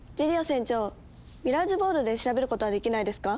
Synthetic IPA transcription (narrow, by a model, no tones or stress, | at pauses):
d͡ʑiɾʲiosẽ̞ɲ̟t͡ɕo̞ː | mʲiɾaʑibo̞ːɾɯ̟d̪e̞ɕiɾabe̞ɾɯ̟ko̞t̪oad̪e̞kʲinaid̪e̞sɨ̥ka